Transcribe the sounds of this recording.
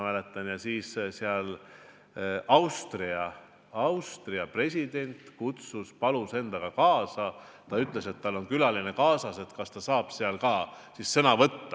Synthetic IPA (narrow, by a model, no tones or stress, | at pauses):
mæːle̞t̪ːˑɑnjɑsiːsseɑl | ʔɑwst̪riɑ | ɑwst̪riɑpre̞s̬ʲid̪̥e̞nʲt̪kut̪suspɑluse̞nd̪̥ɑɡ̥ɑkɑːsɑ | t̪ɑyt̪ˑle̞se̞t̪ːɑlːo̞nkylɑline̞kɑːsɑse̞t̪kɑst̪ɑsɑːb̥seɑlkɑː | sissɤnɑvɤt̪ːɑ